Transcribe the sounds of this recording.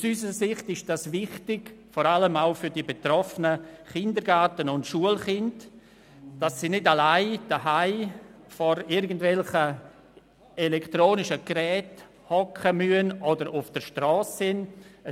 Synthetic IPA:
usysəɾəsɪχtɪʃd̥asvɪχtɪɡ̥fɔɾaləmaʊfʏɾdibetɾɔfənəχɪndəɾɡatənʊntʃuəlχɪnd | d̥asːiːnɪdalaɪd̥əɦaɪ | fɔɾɪɾɡəndvɛlχə | elɛktɾoːnɪʃəɡ̥rɛːt | hɔkʰəmyənʔɔdəɾʊfd̥əɾʃtɾɔːsːɪnə

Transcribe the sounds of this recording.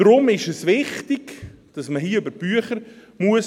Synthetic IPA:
ɾʊmɪʃəsʋɪχtɪɡd̥ɑsməɦiːʏbəɾb̥yəχəɾmuəs

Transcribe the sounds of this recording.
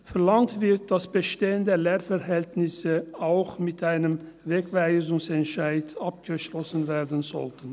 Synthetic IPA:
fɛɐlaŋtv̥ɪt̚d̥asb̥əʃteːəndəleːfɛʁhɛltnɪsəaʊxmɪtʔaɪnəmveːkvaɪzʊŋsɛntʃaɪtap̚ɡ̥əʃlɔsən̩veːɐdn̩zɔ̰ltən̩

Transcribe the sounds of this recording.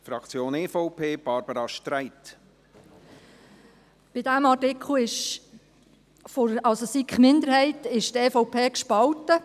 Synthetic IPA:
fɾɑkt͡sjoːneːfɔʊpʰeːb̥ɑɾb̥əɾɑʃtɾæɪt̪ | b̥ɪdæmɑtɪkχl̩ɪʃ | foɾɑlsosikχmɪnd̪əɾɦɛɪt̪ɪʃt̪ɛːfɔʊpʰeːkʃpɑltə

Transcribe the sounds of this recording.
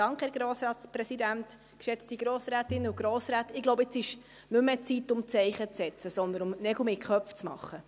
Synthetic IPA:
d̥ɑŋkχhɛːɡɾoːsɾɑːtspɾɛsidænt̪ | kʃɛt͡st̪iɡ̥ɾoːsɾæːt̪ɪnːəuɡ̥ɾoːsɾæːt̪ɪɡ̥loʊbɪt͡sɪʃ | nʉmːɛt͡sit̪ʊmt͡sɛɪχət͡sɛt͡səsɔnd̪ənʊmnɛɡumɪkχœpft͡smɑ̰χːə

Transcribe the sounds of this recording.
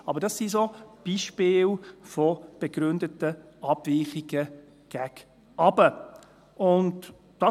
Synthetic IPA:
ɑbəɾdɑsːisob̥iʃpɪːlfɔb̥eɡɾʏndətə | ɑb̥vɪːχiɡ̥ə | ɡ̥æɡ | ʔɑbə | ʊnd | d̥ɑ

